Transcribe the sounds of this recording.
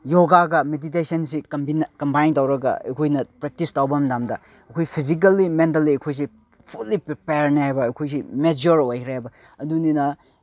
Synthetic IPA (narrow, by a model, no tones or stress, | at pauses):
joɡaɡɐmedit̬esɐnsikɐmbinkɐmbajntawɾɐɡɐ̰ɐ̰jkʰojnɐpɾek̚tistawbɐmdamdɐ | ɐkʰojpʰizik̬ɐlːimentɐlːiɐjkʰojs̬i | pʰulːipɾipejɾniɦajbɐːjkʰojs̬imed͡ʒoɾojkʰɾeajbɐ | ɐduninɐ